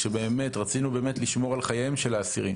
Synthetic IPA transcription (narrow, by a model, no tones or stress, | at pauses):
ʃe̞be̞ːme̞tʁat͡sinube̞ːmetliʃmo̞ʁalχajaemʃelaːsiʁim